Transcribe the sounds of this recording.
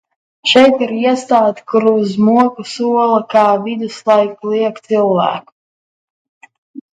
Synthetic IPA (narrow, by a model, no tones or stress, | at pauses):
ʃɛjt̪iɾiɛst̪aːt̪kuɾuzmuɔkusuɔlˠɐkaːvid̪uslˠajklˠiɛkt̪silˠvæ̰ːku̥